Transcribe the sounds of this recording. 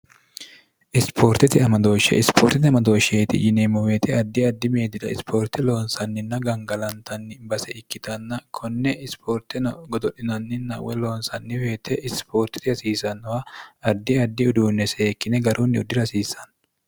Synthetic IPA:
ʔɪspʰo̞ːɾt̪ɪt̪ɪɐmɐd̪o̞ːʃːɛ̰ʔɪspʰoːɾt̪ɪt̪ɪɐmɐd̪o̞ːʃeːt̪ɪ̰jɪneːmɔweːt̪ʰɛɐd̪ːɪɐd̪ːɪmeːd̪ɪd̪ɐɪspʰo̞ːɾt̪ɪlo̞ːnsɐnːɪnːɐɡɐŋɡɐlɐnt̪ɐnːɪbɐsɛɪkːɪt̪ɐnːɐkʰɔnːɛɪspʰoːɾt̪ɪnɐɡɔd̪ɔɗɪnɐnːɪnːɐ̰wɛ̰lo̞ːnsɐnːɪweːt̪ɛʔɪspo̞ːɾt̪ːɪ̥t̪ɪhɐsiːsɐnːɔwɐɐd̪ːɪɐd̪ːɪʊd̪uːnːɛseːkːɪnɛɡɐɾuːnːɪʊ̰d̪ːɪɾɐsiːsɐn

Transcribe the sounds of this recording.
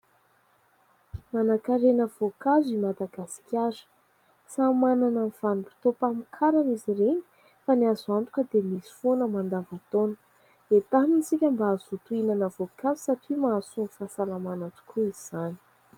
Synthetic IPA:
manakaɾenəv̥okazimad̪aɡasi̥kʲaɾə̥ | samananənv̥anipi̥t̪opamikʰaɾaniziɾeɲi̥ | faniazuant̪u̥kəd̪emisi̥fonəmand̪avut̪onə̥ | d̪̥et̪aminisikʲəmbaazut̪uinanəvokazi̥saʈ͡ʂimasunfasalamanaʈ͡ʂi̥kʰuiz̥ani̥

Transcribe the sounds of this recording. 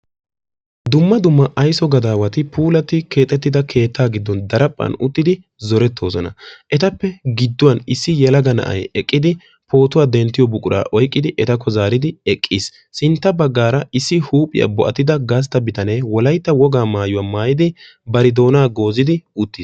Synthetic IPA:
d̪ʊmːɐd̪ʊmːɐʔɐjsɔɡɐd̪aːwɐt̪ɪpʰuːlɐt̪ːɪkʰe̞ːt̪ʼːɛt̪ːɪd̪ɐkʰe̞ːt̪ʰːaːɡɪd̪ːɔnd̪ɐɾɐpʼːɐ̰nʊt̪ːɪd̪ɪ | zɔɾɛt̪ʰːo̞ːsɔnɐ̰ʔɛt̪ɐpːɛɡɪd̪ːʊwɐnɪsːɪjɛlɐɡɐnɐ̰ʔɐ̰jɛkʼːɪd̪ɪ | pʰo̞ːt̪ʊwaːd̪ɛnt̪ːɪjɔbʊkʼʊɾʔa̰ːʔɔjkʼːɪd̪ɪʔɛt̪ɐkːɔzaːɾɪd̪ɪɛkʼːisː | ɪnt̪ːɐbɐɡːaːɾɐɪsːɪhuːpʼɪ̰jɐ̰bɔʔɐt̪ːɪd̪ɐɡaːs̬t̪ɐbɪt̪ɐneːwɔlɐjt̪ːɐwɔɡaːmaːjʊwaːmaːjɪd̪ɪ | bɐɾɪd̪o̞ːnaːɡo̞ːzɪd̪ɪʊt̪ːiːs

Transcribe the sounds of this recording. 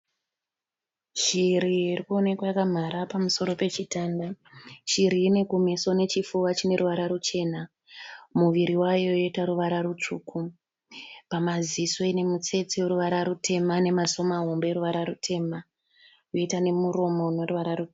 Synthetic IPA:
ʃiɾiiːrikuo̞ne̞kwajakam̤aɾapamuso̞ɾo̞pe̞t͡ʃitaːndaʃiɾiːne̞kumeso̞ne̞t͡ʃifuwat͡ʃine̞ruʋaɾaɾut͡ʃe̞ːna | muʋiɾiwajo̞jo̞itaɾuʋaɾaɾut͡ʂuːkʰu | pamaziso̞ine̞mut͡se̞t͡sieɾuʋaɾaɾute̞mane̞maso̞maɦombe̞ɾuʋaɾaɾutʰe̞ma | joitane̞muɾo̞mo̞noruʋaɾaru

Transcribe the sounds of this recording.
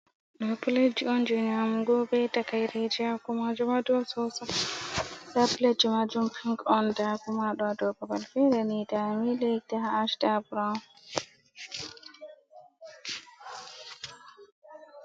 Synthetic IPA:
ɗɔpuled͡ʒiɔnd͡ʒuɲamuɡɔbɛtakajɾad͡ʒakumad͡ʒumadɔsɔsa | sapled͡ʒimad͡ʒumpʰiŋkɔndakumaɗɔadɔbabalfɛdanitamilek̚taɦaːʃdabuɾa

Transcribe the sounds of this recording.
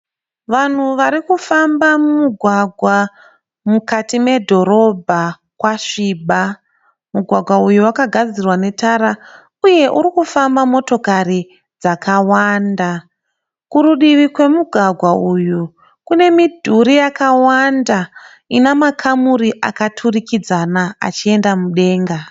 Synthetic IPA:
ʋan̤uʋaɾikufambamumuɡʱwaɡʱwa | mukatime̞dʱo̞ɾo̞bʱa | kwaʂiːɓa | muɡʱwaɡʱwaujuwakaɡʱad͡zirwane̞taɾa | uje̞ʔuɾikufambamo̞to̞kari | d͡zakawanda | kuɾuɗiʋikwe̞muɡʱwaɡʱwauju | kune̞midʱuɾijakawanda | inamakʰamuɾiʔakatʰurikid͡zanaa̰t͡ʃie̞ndamuɗe̞ːŋɡa

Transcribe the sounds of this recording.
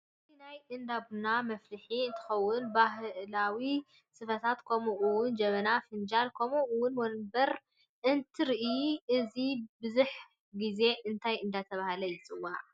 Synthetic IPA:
ɨtinajʔɨnd̪abnamɐflɨħiɨnt̪ʰɨ̥xɐwːʊnbaɦlawi | sɨfɐt̪ʰat̪kʰomuʔɨwʊnd͡ʒɐmɐnafɨnd͡ʒalkʰomuʔwʊnwɔnbɐɾ | ʔɨnt̪ʰɨɾiʔʔɨzibɨzuħ | ɡize̞ʔɨnt̪ʰajɨnd̪at̪ʰɐβahlɐjɪt͡sʼɨwaʕ

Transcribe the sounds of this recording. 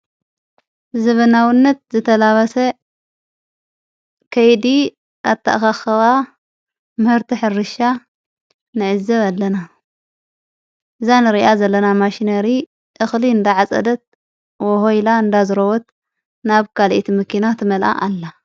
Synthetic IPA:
zɐβɐnawinːɐt̪̚zɨt̪ʰɐlaβɐsɐ | kʰɐjd̪i | aβt̪ʰa̰ʔxaxɐβa | mɨhɨɾt̪ʰiħɨrːɨʃa | nɨʕɨzːɐβalːɐna | ʔɨzanɨɾiʔazɐlːɐnamaʃinɐɾi | ʔɨxliɨnd̪aʕat͡sʼɐ̰d̪ɐt̪̚ | wɔɦojlaɨnd̪azɨɾowɔt̪̚ | naβkʰalʔit̪ʰimɨkʰinat̪ʰɨmɐlʔa̰ʔalːa

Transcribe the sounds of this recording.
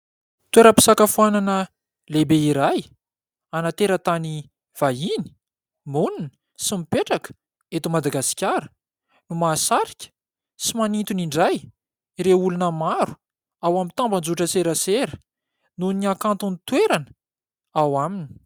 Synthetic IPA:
t̪weɾəpi̥sakafuananə | lebeiɾaj | anat̪eɾət̪ani | v̥aɦini̥ | muninə̥ | simipeʈ͡ʂakə̥ | et̪umad̪aɡasi̥kʲaɾə | numaːsaɾikʲə̥ | simanint̪uniɳɖ͡ʐaj | ɾeulunəmaɾu̥ | awamit̪amband͡zuʈ͡ʂəseɾəseɾə̥ | nuniakant̪unit̪weɾanə | awamini̥

